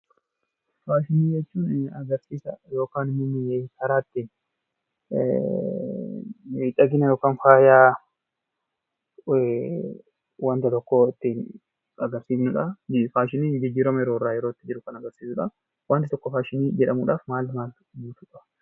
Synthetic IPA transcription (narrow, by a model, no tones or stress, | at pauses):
faːʃɪniːd͡ʒɛt͡ʃːuːnɐɡɐɾsiːsɐjo̞ːkaːnɪmʊmɪɛkɐɾaːt̪ːin | miːt̪ʼːɐɡɪnɐjo̞ːkaːnfaːjaː | wɐnt̪ɐt̪ɔkːɔɪt̪ːɪ | ɐɡɐɾsiːfnʊᶑɐd͡ʒɪfaːʃ̬ɪniːd͡ʒɪd͡ʒːiːɾɐmɐjɛɾoːrːaːjɛɾo̞ːɪt̪ːɪd͡ʒɪɾʊkɐnɐɡɐɾsiːsʊᶑɐ | waːnt̪ɪt̪ɔkːɔfaːʃɪniːd͡ʒɛᶑɐmuːᶑaːfmaːlmaːl | buːt̪ʊᶑɐ